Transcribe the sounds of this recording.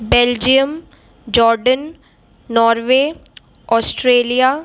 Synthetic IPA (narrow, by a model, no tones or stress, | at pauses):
beːld͡ʒijəm | d͡ʒɔːɾɖən | nɔːɾʋeː | ɔːsʈɾeːlija